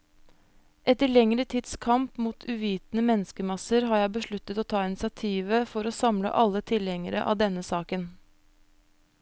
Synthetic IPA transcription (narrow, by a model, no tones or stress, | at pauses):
ʔɛt̪əɭɛŋɾət̪ʰid̪skʰɑmpmuːt̪ʰʉːʋiːt̪nəmɛnəskəmɑsəɾɦɑːɾjæɪbəʂɭʉt̪ːət̪oːt̪ʰɑːɪnɪsɪɑt̪ʰiːʋəfɔɾoːsɑmlə̰ʔɑlːət̪ʰɪlɛŋəɾə̰ʔɑ̰ːʋd̪ɛnːəsɑːkən